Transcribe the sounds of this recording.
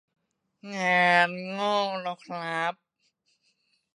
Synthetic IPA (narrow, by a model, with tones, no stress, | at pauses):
ŋɛː˧nŋɔː˥˩ŋlɔ˧˩k̚ʰla˦˥p̚